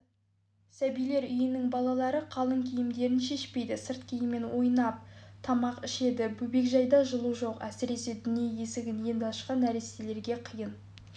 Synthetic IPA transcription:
sæbijle̞ɾʏjɪnɪŋbɑlˠɑlˠɑɾəqʰɑlˠəŋkʲʰijɪmd̪e̞ɾɪnʃe̞ʃpe̞jd̪ɪsəɾt̪kʲʰejɪme̞nwo̞jnɑp̚t̪ʰɑmɑqɪʃe̞d̪ɪbɵbe̞kʒɑjd̪ɑʒəlˠuʒo̞qæsɪɾe̞se̞d̪ʏnje̞je̞sɪɡʲɪnje̞nd̪ɑʃqɑnːæɾest̪ele̞ɾɡʲe̞qʰijən

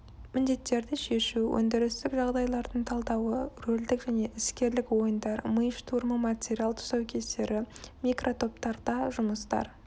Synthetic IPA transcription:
mɪnd̪e̞t̪ːe̞ɾd̪ɪʃe̞ʃuwʔɵ̰nd̪ɪɾɪst̪ɪkʒɑʁd̪ɑjlˠɑɾd̪əɴt̪ʰɑlˠd̪ɑwəɾɵld̪ɪkʒ̥æne̞ʔɪskʲe̞ɾlɪkwo̞jənd̪ɑɾməjəʃt̪ʰuɾməmatʲeɾʲialˠt̪ʰʊ̥sɑwkʲʰe̞st̪e̞ɾɪmikrʔo̞t̪ʰo̞p̚t̪ɑɾd̪ɑʒʊməst̪ɑ̰ɾ

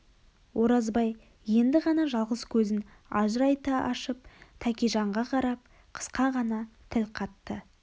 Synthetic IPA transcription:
wʔo̞ɾɑzbɑj | je̞nd̪ɪʁɑnɑʒɑlˠʁəskʲʰɵzɪn | ɑ̰ʒəɾɑjt̪ɑʔɑ̰ʃəp̚t̪ʰækʲijʒɑɴʁɑqʰɑɾɑp̚ | qʰə̥sqɑʁɑnɑt̪ʰɪlqʰɑt̪ːə

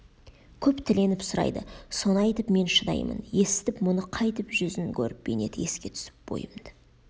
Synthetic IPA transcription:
kʲʰɵpt̪ʰɪle̞nɪpsʊɾɑ̰jd̪ə̰so̞nɑɑjt̪əpme̞nʃəd̪ɑ̰jmə̰nje̞sɪ̥t̪ɪpmʊnəqʰɑjt̪əpʒʏzɪŋkʲʰɵ̰ɾɪp̚be̞̰ne̞̰d̪əe̞skʲe̞t̪ʰʏ̥sɪ̥p̚b̥o̞̰jəmd̪

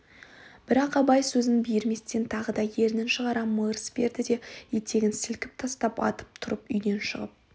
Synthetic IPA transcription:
b̥ɪɾɑqɑbɑjsɵzɪŋbijɪɾme̞st̪e̞nt̪ʰɑʁəd̪ɑje̞ɾnɪnʃəʁɑɾɑməɾəsbe̞ɾd̪ɪd̪e̞jet̪ʰe̞ɡʲɪnsɪlkʲɪp̚t̪ʰɑst̪ɑpɑ̰t̪ə̥p̚t̪ʰʊɾəpʏjd̪e̞nʃəʁəp̚

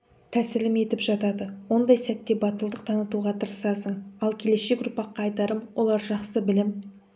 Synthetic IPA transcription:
t̪ʰæsɪlɪme̞t̪ɪpʒɑt̪ɑd̪əwo̞nd̪ɑjsæt̪ːe̞bɑt̪əlˠd̪əqt̪ʰɑnət̪uʁɑt̪ʰəɾəsɑsəɴɑlˠkʲʰe̞le̞sʃe̞kʊɾpɑqːɑːjt̪ɑɾəmwʔo̞lˠɑɾʒɑqsəbɪlɪm

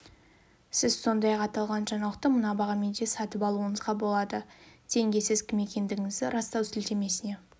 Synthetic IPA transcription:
sɪzso̞nd̪ɑjɑqɑt̪ɑlˠʁɑnʒɑɴɑlˠəq̚t̪əmənɑbɑʁɑme̞nd̪e̞sɑt̪əpɑlˠuəɴəzʁɑbo̞lˠɑd̪ət̪ʰe̞ŋɡʲe̞sɪzkʲʰɪme̞kʲe̞nd̪ɪɡʲɪŋɪzd̪ɪɾɑst̪ɑwsɪlt̪e̞me̞sɪne̞

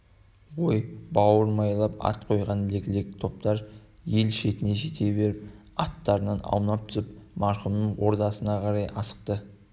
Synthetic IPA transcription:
wo̞jbɑwəɾmɑjlˠɑpɑ̰t̪qʰo̞jʁɑnlekʲɪlek̚ʲɪt̪ʰo̞p̚t̪ɑɾ | je̞lʃe̞t̪ɪne̞ʒe̞t̪e̞βe̞ɾɪp̚ | ɑt̪ːɑɾənɑnɑ̰w̪ˠnɑp̚t̪ʰʏ̥sɪp̚mɑɾχʊmnəɴwo̞ɾd̪ɑsənɑqʰɑɾɑjɑsə̥q̚t̪ə

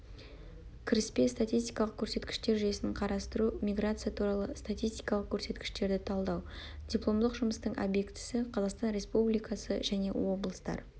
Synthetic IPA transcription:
kʲʰɪɾɪspe̞st̪at̪ʲijst̪ʲijkɑlˠəq̚kʲʰɵɾse̞t̪kʲɪ̥ʃt̪e̞ɾʒʏje̞sɪqʰɑɾɑst̪əɾumʲijɡɾat̪sɨjat̪ʰuɾɑlˠəst̪at̪ʲijst̪ʲi̥jkɑlˠəq̚kʲʰɵɾse̞t̪kʲɪ̥ʃt̪e̞ɾd̪ɪt̪ʰɑlˠd̪ɑw | dʲiplˠo̞md̪əqʒʊməst̪əɴʔa̰bje̞kt̪ɪ̥sɪqʰɑzɑqst̪ɑnɾʲe̞spublijkɑsə̰ʒæne̞̰wo̞blˠəst̪ɑ̰ɾ

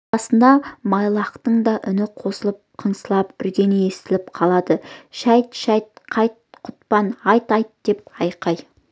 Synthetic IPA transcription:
ɑsənd̪ɑmɑjlˠɑqt̪əɴd̪ɑʔʏnɪqʰo̞səlˠəp̚qʰəɴsəlˠɑpʏ̰ɾɡʲe̞nee̞st̪ɪlɪp̚qʰɑlˠɑd̪əʃæjt̪ʃɑjt̪̚qʰɑjt̪̚qʰʊ̥t̪pɑnɑjt̪ɑjt̪d̪̥e̞p̚ɑjqɑj

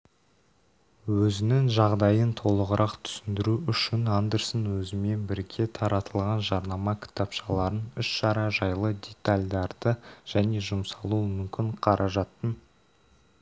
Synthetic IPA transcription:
wɵzɪnɪŋʒɑʁd̪ɑjənt̪ʰo̞lˠəʁəɾʔɑqt̪ʰʏ̥sɪnd̪ɪɾuʔʏʃɪnand̪eɾsənwɵzɪme̞nbɪɾɡʲe̞t̪ʰɑɾɑt̪əlˠʁɑnʒɑɾnɑmɑkʲʰɪ̥t̪ɑpʃɑlˠɑɾənʏʃʃɑɾɑʒɑjlˠəd̪ʲe̞t̪alʲd̪ɑɾd̪̥əʒ̥æne̞ʒʊmsɑlˠuəmʏmkʲɪɴqʰɑɾʔɑʒɑt̪ːən

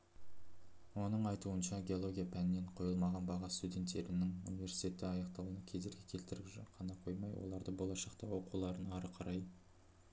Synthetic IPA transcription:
wo̞nəɴɑjt̪uənʃɑɡʲe̞o̞lˠo̞ɡʲijapʰænnːe̞ɴqʰo̞jəlˠmɑʁɑnbɑʁɑst̪ud̪ʲe̞nt̪ːe̞ɾɪnɪŋṵnijvʲe̞ɾsi̥jt̪e̞t̪ːɪɑjɑqt̪ɑwunɑkʲʰe̞zeɾɡʲekʲʰe̞lt̪ɪɾɪʒqʰɑnɑqʰo̞̰jmɑjwo̰lˠɑɾd̪əbo̞lˠɑʃɑqt̪ɑwo̞qulˠɑɾənɑɾəqʰɑɾɑj

